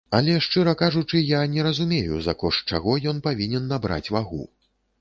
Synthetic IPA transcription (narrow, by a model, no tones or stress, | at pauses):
ɐlʲɛʂt͡ʂɨɾɐkaʐut͡ʂɨjanʲɛɾɐzumʲejṵzɐ̰kɔʂt͡ʂa̰ɣɔjɔnpavʲinʲɛnːabɾa̰t͡sʲvaɣṵ